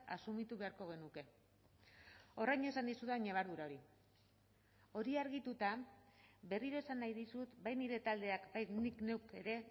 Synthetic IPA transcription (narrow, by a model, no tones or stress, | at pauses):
a̰sumit̪uβe̞aɾko̞ɣ̞e̞nuke̞ | o̞rajɲe̞sand̪isuðaɲaβ̞aɾðuɾao̞ɾi | o̞ɾiaɾɣit̪ut̪a | βe̞riɾo̞esanːajðisut̪bajniɾe̞t̪ald̪e̞akbajt̪nikne̞wke̞ɾe̞